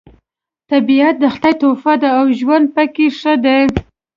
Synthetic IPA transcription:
t̪abiat̪̚d̪əxt̪ajt̪ofad̪aawʒwand̪̚pakeʂəd̪e

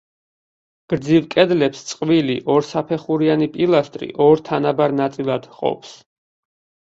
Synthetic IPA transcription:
ɡ̥ɾd̪zivkʼɛd̪lɛpst̪sʼqʼviliʔɔɾsapʰɛχuɾianipʼilˠast̪ʼɾḭʔɔɾt̪ʰanabaɾnat̪sʼilˠad̪̥qʼɔ̰ps

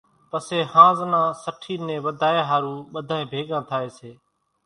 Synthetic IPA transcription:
pəseːhãːznãːsəʈʰiːnẽːʋəd̪ʱaːeːɦaːɾũːɓəd̪ʱaːẽːbʱeːɠãːt̪ʰaːeːseː

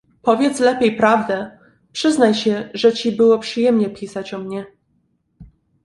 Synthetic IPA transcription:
pɔvʲjɛt̪slɛpʲjejpɾavd̪ɛ | pʂɘznajɕɛʐɛt͡ɕibɘwɔpʂɘjɛmɲɛpʲisat͡ɕɔmɲɛ

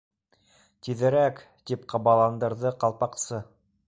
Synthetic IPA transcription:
t̪iðɘ̆ɾæk | t̪ipqʰɑβɑlˠɑnd̪ɤ̆ɾðɤqɑlˠpɑqsɤ

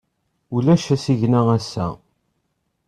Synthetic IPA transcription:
ulæʃæsiʝnææsːæ̰

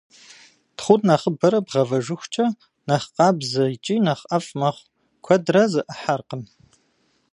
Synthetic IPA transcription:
tχʷʊdnɐχəbɐɾɐbʁɐvɐʒɨxʷt͡ʃʼɐ | nɐχqɑːbzɐit͡ʃʼiːnɐχʔɐfʼmɐχʷ | kʷʰɐdrɐzɨʔəħarqəm

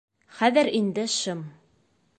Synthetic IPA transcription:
χæðɘɾind̪ɘʃɤm

